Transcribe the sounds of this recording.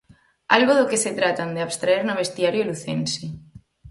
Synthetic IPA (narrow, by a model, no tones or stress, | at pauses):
a̰lɣoðokeset̪ɾat̪and̪eaβst̪ɾaeɾnaβ̞est̪iaɾjoluθensi